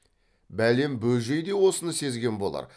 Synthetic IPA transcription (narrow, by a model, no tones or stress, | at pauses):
bæle̞mbɵlʒe̞jd̪e̞wo̞sənəse̞zɡʲe̞nbo̞lˠɑ̰ɾ